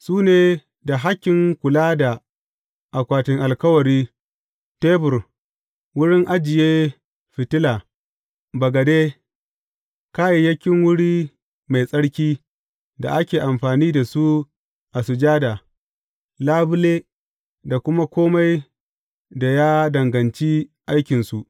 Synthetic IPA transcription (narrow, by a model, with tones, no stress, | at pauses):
suː˦neː˨ | da˨ɦa˦kʲːɪ˨ŋkʷʊ˨laː˦da˨ | ʔa˨kʷaː˨tɪ˨ŋʔa˨lkɐ˦wɐ˨ɾiː˦ | teː˦bʊ˨r | wʊ˦ɽɪ˦ŋʔa˦d͡ʒɪ˨jeː˦ | ɸɪ˨tɪ˦laː˨ | bɐ˨ɡɐ˨deː˦ | kaː˦ji˨jɐ˦kʲɪ˦ŋwʊ˦ɽiː˦ | ma˨jsʼɐ˦ɽkʲiː˦ | da̰˨ʔa˦kʲeː˨ʔa˨mɸaː˨niː˦da˨su˦ | ʔa˨sʊ˨d͡ʒaː˦daː˨ | laː˦bʊ˦leː˦ | da˨kʷʊ˦ma˦kʷoː˦ma˦j | da˨ja˦dɐ˨ŋɡɐ˨nt͡ʃi˦ʔa˦jkʲɪ˨nsu˨ʔ